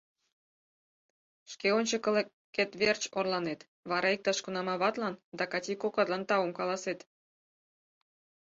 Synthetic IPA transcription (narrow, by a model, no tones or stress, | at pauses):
ʃkeonʲt͡ɕəkəle | kːet̪βert͡ɕorlɑnet̪ | βɑɾʔɑik̚t̪ɑʃkunɑmɑβɑt̪lɑnd̪ɑkɑtʲikokɑt̪lɑnt̪ɑəmkɑlˠɑset̪